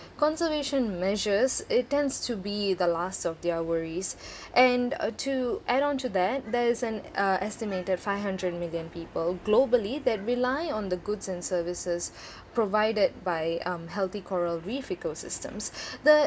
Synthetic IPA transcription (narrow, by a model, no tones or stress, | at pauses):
kɔ̃nsəveːʃə̃nmɛʒəzɪtːɛ̃ndstʰubid̪əlastɔvd̪iawəɹiz | ʔɛ̃ntʰuʔæɾɔ̃ntud̪æt̚d̪ɛɪzɛ̃nʔɛstɪmeːtədfaɪvɦʌ̃ndɹəd̚mɪljə̃npiːpəlˠɡloːbəlid̪ɛt̚ɹɪlaɪɔ̃nd̪əɡʊdzɛ̃nsəːvɪsɪz | pɹovaɪdəd̚baɪɦɛlˠt̪ikʰɔɹəlɹifɪkosɪ̰stə̰̃msd̪ə